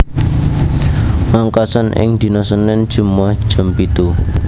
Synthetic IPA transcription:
maŋkasanʔɪ̰ŋd̪̥i̤nɔsənɛn̥ʒ̥umahʒ̥əmpit̪u

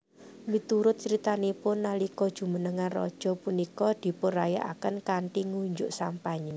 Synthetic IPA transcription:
mit̪uɾʊt̪̚t͡ʃɾit̪anipʊnːalikɔd̥ʒ̥ṳmənəŋanrɔ̰d̥ʒ̥ɔ̤punikɔd̪̥i̤pʊraja̰ʔakənkaɳʈiŋuɲd͡ʒʊʔsampaɲe

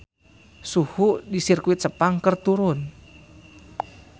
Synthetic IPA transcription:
suhuʔdisirkuit̪̚səpaŋkərt̪uɾʊn

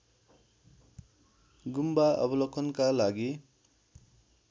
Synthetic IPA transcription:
ɡumbaʔʌ̰bʌlʌkʰʌnkalaɡi

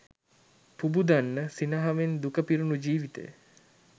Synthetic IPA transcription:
pubud̪anːəsinəɦaʋend̪ukəpiɾunud͡ʒiːʋit̪ḛj

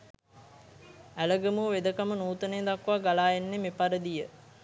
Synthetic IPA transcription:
æləɡəmuʋed̪əkamənuːt̪əneːd̪akʋaɡalaːenːemepaɾəd̪ijə

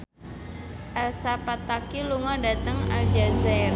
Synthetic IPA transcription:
ʔɛlsapat̪akiluŋadat̪əŋa̰ld͡ʒazar

